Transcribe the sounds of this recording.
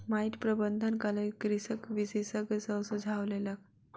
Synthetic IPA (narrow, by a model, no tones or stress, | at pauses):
maiʈpɾəbənd̪ʱənkaləjkɾisəkʋisesəɡsəwsud͡zʱaʋlelak̚